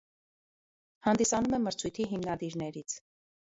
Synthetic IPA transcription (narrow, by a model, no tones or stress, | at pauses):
hɑnd̪isɑnumɛməɾt͡sʰujt̪ʰiɦimnɑd̪iɾnɛɾit͡sʰ